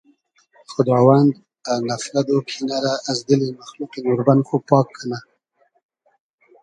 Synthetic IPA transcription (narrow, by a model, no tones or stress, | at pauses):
xʊd̪ɾɑwand̪ | anafɾad̪opʰinaɾaʔːzd̪əlimaxluqenoɾbanxopɑkʰːana